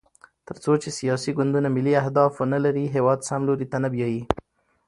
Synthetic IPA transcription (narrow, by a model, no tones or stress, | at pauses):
t̪əɾt͡sot͡ʃesijɑsiɡʊnd̪unamɪliahd̪ɑfonalaɾiɦewɑd̪samloɾit̪anabjɑji